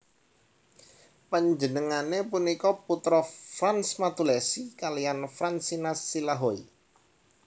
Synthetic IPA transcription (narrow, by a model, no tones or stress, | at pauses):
pəɲd͡ʒənəŋanepunikɔput̪ɾɔfɾansmat̪ulɛsikalijanfɾansinasilaɦoi